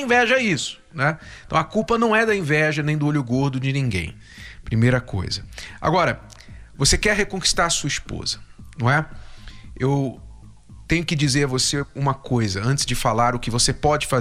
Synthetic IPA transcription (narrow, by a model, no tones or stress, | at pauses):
ĩvɛʒɐɛisʊ̥nɛẽt̪ɐ̃w̃ɐkuwpɐnɐ̃w̃ɛd̪ɐĩvɛʒɐnẽj̃d̪ʊoʎʊɡoɾd̪ʊd͡ʒɪnĩɡḛ̃j̃ | pɾimejɾɐkʰo̰jzɐa̰ɡɔɾɐ | vosekɛɾɦekõki̥st̪aɾɐsuɐispo̰zɐnɐ̃ɛ | ew | t̪ẽj̃ʊkɪd͡ʒizeɾɐvoseũmɐkojzɐɐ̃nt͡ʃ̪ɪ̥zd͡ʒɪfalaɾʊkɪvosepɔd͡ʒɪfa